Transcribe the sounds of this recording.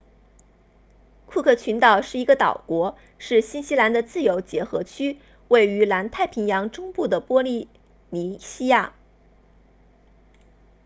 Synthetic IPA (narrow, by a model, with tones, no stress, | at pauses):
kʰu˥˧kʰɤ˥˩t͡ɕʰy˧˥nt̪ɑ˨˩ʊʂɻ̩˥˩i˧˥ɡə˧t̪ɑ̰˨˩ʊkwɔ˧˥ | ʂɻ̩˥˩ɕi˥nɕi˥la˧˥nd̪ə˧t͡sɹ̩˥˩jo˧˥ʊt͡ɕjɛ˧˥xɤ˧˥t͡ɕʰy˥ | we˥˩ɪy˧˥la˧˥nt̪ʰa˥˩ɪpʰi˧˥ŋjɑ˧˥ŋʈ͡ʂʊ˥ŋpu˥˩d̪ə˩pwɔ˥li˥˩ | ni˧˥ɕi˥ja˥˩